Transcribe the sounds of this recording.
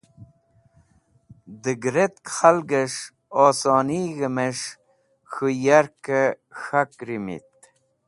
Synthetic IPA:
d̪əɡɾet̪̚kχalɡəʂ | oːsoːniːɣəmeʂ | xujaɾkə | xakɾimḭt̪̚

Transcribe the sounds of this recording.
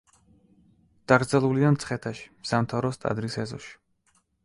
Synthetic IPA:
d̪̥aɡɾd̪zɛlˠuliamt̪sʰχɛt̪ʰaʃi̥samt̪ʰavɾɔst̪ʼa̰d̪ɾisɛzɔ̰ʃi̥

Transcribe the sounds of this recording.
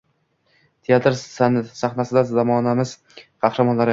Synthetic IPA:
t̪ʰejat̪ɾnsaχnasɪd̪azamɒːnamɪz̥ | qʰɑχɾamɒnlaɾ

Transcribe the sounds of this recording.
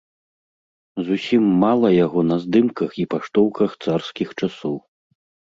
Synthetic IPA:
zusʲimːalˠɐjaɣɔnɐzd̪ɨmkɐxipaʂt̪ɔwkɐxt̪sarskʲixt͡ʂasɔw

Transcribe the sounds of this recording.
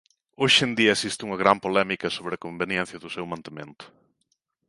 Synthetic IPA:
oʃend̪iɐesist̪uŋɐɣɾampolɛmikɐsoβɾɪɐkombenjɛ̃n̟θjɐðʊsewmãnt̪emẽnt̪ʊ̥

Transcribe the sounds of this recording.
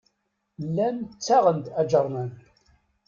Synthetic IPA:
lːænt͡sːaʁənd̪æd͡ʒəɾˤmæn

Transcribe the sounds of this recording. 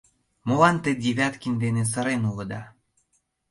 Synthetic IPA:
molɑnt̪ed̪ʲiβʲæt̪kinʲd̪enes̬ə̆ɾenulɤ̆d̪ɑ

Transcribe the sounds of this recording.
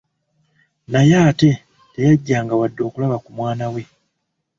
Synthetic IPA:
najaːte̞ | te̞jaɟːaːŋɡawadːo̞ːkulaβakumwaːnawe̞

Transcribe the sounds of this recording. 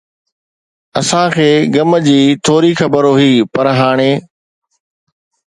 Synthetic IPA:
ɐsãkʰeːɡɐməd͡ʑiːt̪ʰoːɾixɐbəɾoɦiːpɐɾɦaːɽ̃eː

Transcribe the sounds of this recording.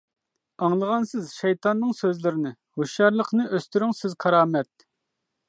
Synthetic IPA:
ɑŋlˠəʁɑnsɪzʃɛjt̪ʰɑnːɨŋsøzlɪɾɪnɪ | hoʃjɑɾlˠəqnɨʔøst̪yɾyŋsɪzqʰɑɾɑːmɛt̪̚

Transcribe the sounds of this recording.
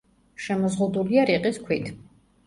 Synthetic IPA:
ʃɛmɔzʁud̪uliaɾiqʼiskʰwit̪ʰ

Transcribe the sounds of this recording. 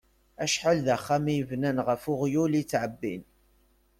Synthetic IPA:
æʃħalðæχːamijəvnænʁəfʊʁjulit͡sːʕəbːin

